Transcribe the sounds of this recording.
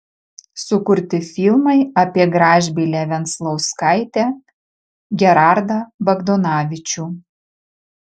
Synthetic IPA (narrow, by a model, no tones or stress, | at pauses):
sʊkʊɾʲt̪ʲɪfʲɪlˠmɐɪɐpʲiɛɡɾɑːʒʲbʲilʲæːʋʲɛnt̪slˠɐʊskɑɪt̪ʲæː | ɡʲɛɾɑɾd̪ɐbɐɡd̪ɔnɑːʋʲɪt͡ʃʲuː